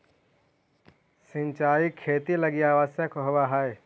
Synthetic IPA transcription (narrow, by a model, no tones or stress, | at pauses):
sɪ̃ɲt͡ʃaːikʰeːt̪ilɐɡijaːʋasjəkoɦʋaɦae